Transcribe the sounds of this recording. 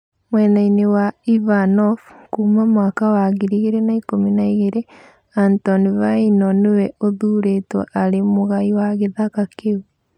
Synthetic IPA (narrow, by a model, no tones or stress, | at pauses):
mwɛnainewaivanɔfkuːmamwaːkawaɣiɾiɣeɾenaikominaiɣeɾe | antɔnivainɔnewɛoðuːɾetwɔ̰ʔaɾemoɣaiwaɣeðakakeu